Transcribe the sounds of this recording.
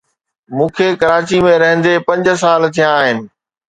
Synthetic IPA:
mũːkʰekɐɾaːt͡ɕimẽɾɐɦə̃n̆d̪epɐ̃ɲd͡ʑ̆s̬aːlt̪ʰijãaːɦɪnɪ̆

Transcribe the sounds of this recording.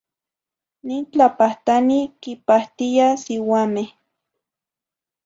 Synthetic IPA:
nint͡ɬapaht̪anikipaht̪ijasɪwame

